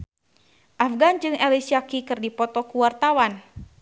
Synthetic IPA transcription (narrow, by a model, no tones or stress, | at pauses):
ʔafɡand͡ʒɨŋɛlisiakikɨrdipɔt̪ɔkuwart̪awan